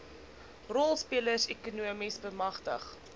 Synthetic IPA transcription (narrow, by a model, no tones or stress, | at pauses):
rɔlˠspiələrsɛkunuəmisbəmɐχtə̰χ